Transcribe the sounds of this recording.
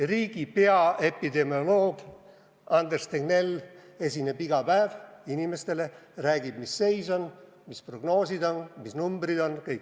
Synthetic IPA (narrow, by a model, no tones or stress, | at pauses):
riːɡ̥ipe̞ɑe̞pid̪e̞miolo̞ːɡ̥ | ɑnd̪erst̪eɡne̞le̞sʲinebiɡɑpæːvinimest̪e̞le̞ræːɡib̥misːe̞jso̞n | mispro̞ɡno̞ːsid̪o̞nmisnumbrid̪o̞nkɤjkː